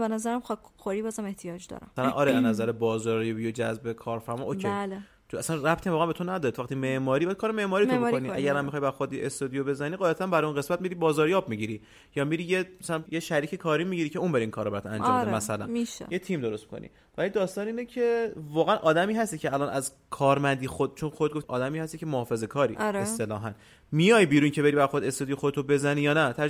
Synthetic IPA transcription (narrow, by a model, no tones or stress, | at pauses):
benæzæɾæmχɒxoɾibɒːzæmeht̪ʰijɒd͡ʒd̪ɒ̰ɾæ̰mmæsælænʔɒːɾeænæzæɾebɒːzɒːɾjɒbijod͡ʒæzbekʰɒːɾfæɾmɒʔoel | t͡ʃæsænræbt̪ʰiæmɒːɣænmbe̞t̪ʰonæd̪ɒɾit̪ʰvæqt̪ʰimeʔmɒːɾibæd̪kʰɒːɾeme̞ʔmɒːɾit̪ʰomkoniæɡæɾmæmːixɒjbæɾxod̪iʔest̪od̪ijobe̞zæniːɢɒːjæt̪ʰæmbæɾɔjunɣe̞smæt̪̚miɾiːbɒːzɒːɾjɒːb̚miɟiɾi | jɒːmiɾiːjemæsælæjeʃæɾiːcʰekʰɒːɾiːmiɟiɾicʰe̞unbeɾiːŋkʰɒːɾɔbæɾæt̪æ̰nd͡ʒɒ̰ːmd̪emæsælæ̰niʃjet̪ʰiːmd̪o̞ɾost̪mi̥kʰo̰nḭ | vælid̪ɒːst̪ɒːniːnecʰevɒːɣeænʔɒːd̪æmiːɦæst̪icʰeælɒːnæz | kʰɒːɾmænd̪iːxod̪̚t͡ʃʰonxoded̪̚ɡot̪ɒ̰ːd̪æmiːhæst̪icʰemohɒːfe̞ze̞kʰɒːɾḭʔɾest̪e̞lɒːɦæn | mijɒjbiːɾuncʰe̞be̞ɾibæɾxod̪est̪ud̪ijoxod̪et̪ʰobe̞zænijɒːnæt̪ʰæ